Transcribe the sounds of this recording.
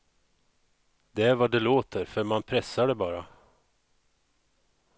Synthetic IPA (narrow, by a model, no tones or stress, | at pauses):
d̪ɛæɾvad̪ɛloːt̪ʰəɾfœɾmanpʰɾɛsːaɖɛbɑːɾa